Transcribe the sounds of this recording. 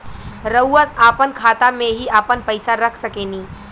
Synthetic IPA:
ɾəwːəsapənkʰat̪amẽɦiaːpənpəjsaɾəkʰsəkeniː

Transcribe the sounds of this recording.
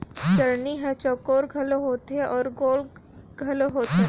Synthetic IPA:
t͡ʃɐlniɦɛt͡ʃɔːkoːɾɡʱɐloɦoːt̪ɛʔɔːɾɡoːl | ɡʱɐloɦoːt̪e

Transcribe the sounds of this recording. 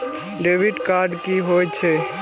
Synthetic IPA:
ɖebiɖkaɾɖkiɦojt͡ʃʰɛ

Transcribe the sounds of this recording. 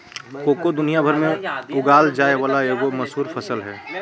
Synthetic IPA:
koːkod̪ʊnijabʱəɾmẽʊɡaːld͡ʒaːeʋaːlaeːɡomɐsɦuːɾpʰɐsəlɦɛː

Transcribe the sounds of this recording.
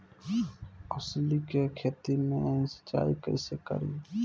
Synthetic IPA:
ɔːslikekʰeːt̪imẽsə̥t͡ʃa̰ːikə̰ɪsekə̰ɾiː

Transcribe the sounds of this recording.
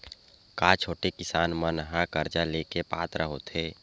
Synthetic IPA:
kaːt͡ʃʰoːʈekɪsaːnmənɦãkəɾd͡ʒaleːkepa̰ːt̪ɾəɦo̰t̪ʰeː

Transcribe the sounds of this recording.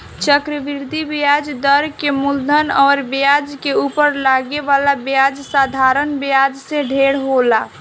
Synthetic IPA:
t͡ʃəkɾəbiɾd̪ʱibjad͡ʒd̪əɾkemuld̪ʱənɔːɾbjad͡ʒkeupəɾlaɡeʋalabjad͡ʒsad̪ʱaɾənbjad͡ʒsẽɖʱeɽɦola

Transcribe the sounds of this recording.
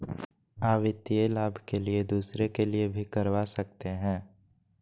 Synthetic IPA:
aːʋɪt̪ieːlaːbʱkelied̪uːsɾekeliebʱikɐɾʋasɐk̚t̪eɦɛ̃ː

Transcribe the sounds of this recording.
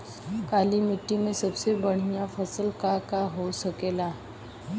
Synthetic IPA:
kalimiʈːimẽsəbsebəɽ̤̃ijafəsəlkakaɦosəkela

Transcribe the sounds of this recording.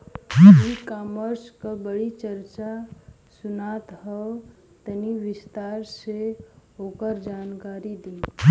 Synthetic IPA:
ikaməɾskəbəɽit͡ʃəɾt͡ʃa | sʊnat̪ɦəw | t̪əniʋɪst̪aɾseoːkəɾd͡ʒaːnkaːɾid̪ĩ

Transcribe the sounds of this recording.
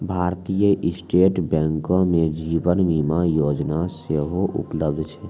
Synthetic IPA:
bʱaːɾt̪ijəʔɪsʈeːʈbɛ̃ːŋkõmẽd͡ʒiːʋənmiːmajoːd͡ʒnaseɦoʔʊ̰pləbd̪ʱt͡ʃʰɛ

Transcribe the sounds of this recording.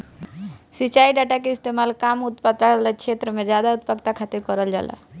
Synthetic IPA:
sit͡ʃaiɖaʈakeɪst̪emalkamut̪pat̪alekt͡ʃʰet̪ɾəmed͡ʒad̪aut̪pəkt̪akʰat̪iɾkɔɾəld͡ʒa̰la̰

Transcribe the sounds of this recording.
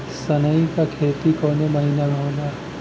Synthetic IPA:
sɐnəĩkakʰeːt̪ikoːnemɐɦinaɡʱõːnaː

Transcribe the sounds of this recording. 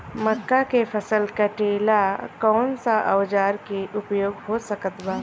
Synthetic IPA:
məkːakepʰəsəlkəʈeːlakɔːnsaʔə̰ʋd͡ʒaːɾkeʔʊpjoːɡɦosəkət̪baː

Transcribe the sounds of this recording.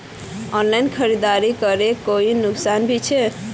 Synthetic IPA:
ɔnlainkʰəɾid̪aɾikəɾekoinuksanbʱit͡ʃʰe

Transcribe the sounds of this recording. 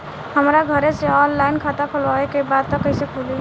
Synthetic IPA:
həmɾaɡʱəɾeseɔnlajnkʰat̪apʰəloɦekebad̪t̪ɔkəjsekʰuli

